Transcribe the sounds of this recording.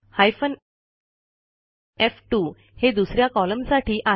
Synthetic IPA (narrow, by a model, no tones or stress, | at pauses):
hajfən | efʈuː | hed̪usɾjakɔləmsaʈʰiːʔa